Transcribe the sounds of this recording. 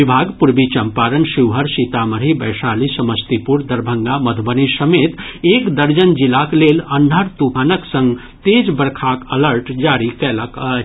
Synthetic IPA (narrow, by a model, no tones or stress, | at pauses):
ibʱaɡpuɾbit͡ʃəmpaɾənsiwɦəɾsit̪aməɾɦibəjsalisəməst̪ipuɾd̪əɾbʱəŋɡaməd̪ʱbənisəmet̪ekd̪əɾd͡ʒənd͡ʒilaklelənːəɾt̪ubʱanəksə̃ŋɡ | t̪ed͡ʒbəɾkʰakələɾʈd͡ʒaɾikɛləkə